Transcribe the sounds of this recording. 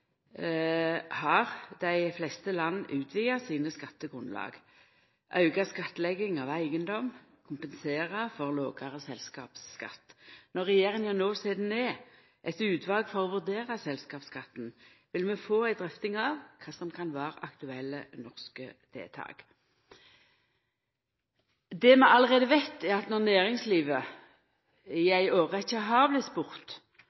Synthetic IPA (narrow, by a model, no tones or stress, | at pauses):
hɑʁd̪æɪflɛst̪əlɑnːʔʉːt̪ʰʋiːɑsiːnəskɑt̪ːəɡʁʉnlɑ̰ːɡ | ʔɑʉɡɑskɑt̪ːlɛɡɪŋɑʋæɪɡənd̪ɔmkʰʊmpənseːʁɑfɔʁloːɡɑʁəsɛlskɑ̰ːpskɑ̰t̪ːnɔʁɛjeːʁəŋjænoːseːd̪n̩ɛ | ʔɛt̪ʉːt̪ʰʋɑːɡfɔʁɔːʋʉʁd̪eːʁɑsɛlskɑːpskɑt̪ːn | ʋɪlmɛfoːæɪd̪ʁɛft̪ɪŋɑʋkʰɑːsɔmkʰɑnʋæːʁʔɑ̰kt̪ʉɛlːənɔʁskə̰d̪̥ʰḛːt̪ʰɑ̰ːɡ̥ | d̪ɛmɛɑlːəʁeːd̪əʋæɪt̪ːɛʁɑt̪nɔʁnæːʁɪŋsliːʋə | ɪæɪoːʁəɪçːəɦɑʁblɪt̪spʊʁt̪